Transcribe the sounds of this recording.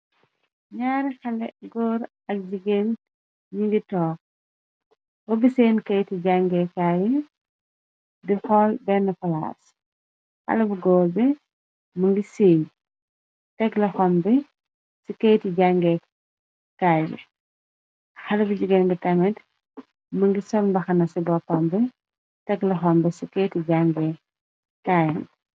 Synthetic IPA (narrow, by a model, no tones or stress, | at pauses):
ɲaːɾxɐlɛɡɔːɾ | ɐk̚d͡ʒiɡen | ɲiŋɡitɔː | wɔbiseːnkɐjtiɟaŋɡɛkːaːji | dixɔːlbɛnːɐfɐla̰ːs | xɐ̰lɐbuɡɔːbɛ | mɐŋɡiseːj | tɛɡlɐxɔmbɛ | sikɐjtiɟaŋɡɛ | kaːjḭ | xɐlɐbuɟuɡɛnbitɐmɛt | mɐŋɡisɔmbɐxɐnɐsibɔpɔmbɛ | tɛɡlɐxɔmbɛsikɛjtiɟaŋɡɛ | kaːjɛn